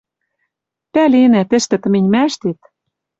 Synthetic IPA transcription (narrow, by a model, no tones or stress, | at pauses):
pælenæt̪ɘ̆ʃt̪ɘ̆t̪ɤ̆menʲmæʃt̪et̪